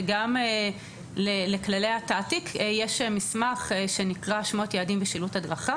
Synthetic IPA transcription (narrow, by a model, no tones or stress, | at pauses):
ɡam | leleklalejhatatikʰjeʃmismaχeʃenikʁaʃmo̞t̪jaːdimbeʃiluthadʁaχa